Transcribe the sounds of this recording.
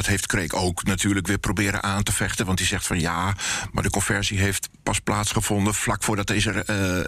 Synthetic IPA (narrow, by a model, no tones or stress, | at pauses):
ɔthejftkrejkoːwknatyːɹləkʋɪːprobɪːɾə̰nʔaːntəfɛχtənʋɑntdizɛxtfɑnjaːma̰dəkɔnfɛɹsiɦejftpɑsplaːtsχəfɔndəflakfʊːɹdɔt̚eɪzər